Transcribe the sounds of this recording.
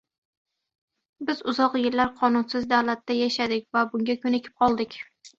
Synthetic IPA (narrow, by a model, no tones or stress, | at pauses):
bɪzʊzɒqjɪɾlaɾqʰɒnʊnsɪzd̪awlat̪ːajaʃad̪ɪk̚ʲvabʊŋɡʲakʰʲɵnekʲʰɪ̥p̚qʰɒlˠd̪ɪkʲ